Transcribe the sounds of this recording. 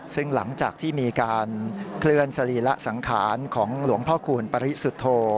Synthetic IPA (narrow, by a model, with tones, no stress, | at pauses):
sɯ˥˩ŋla̰˩˦ŋt͡ɕaː˨˩k̚t̪ʰiː˥˩miː˧kaː˧nkʰlɯ˥˩ənsa˧li˨˩la˦˥ʔsa˩˦ŋkʰa̰ː˩˦nkʰɔː˩˦ŋlu˩˦əŋpʰɔː˥˩kʰuː˧npa˧ɾi˦˥su˨˩t̪ʰːoː˧